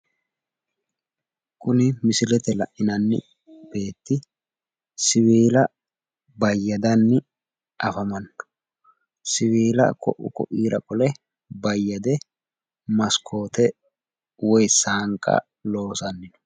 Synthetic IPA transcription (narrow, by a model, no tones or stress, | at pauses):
kʼʊnɪmɪsɪlɛt̪ɛlɐ̰ʔʔɪnɐnːɪ̰ | b̥e̞ːt̪ːɪ | sɪwiːlɐ | bɐjːɐd̪ɐnːɪ | ʔɐfɐmɐnːɔ̥ | sɪwiːlɐ̰kʰɔ̰ʔʊ̰kɔ̰ʔiːɾɐkʼɔlɛ | bɐjːɐd̪ɛ | mɐskʰo̞ːt̪ɛ | wɔjsaːŋkʼːɐ̰ | lo̞ːsɐnːɪnɔ̥